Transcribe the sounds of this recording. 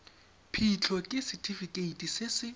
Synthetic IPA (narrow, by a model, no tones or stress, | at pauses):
pʰit͡ɬʰɔkʼɪsɪtʰifikʼeitʼisɪsɪ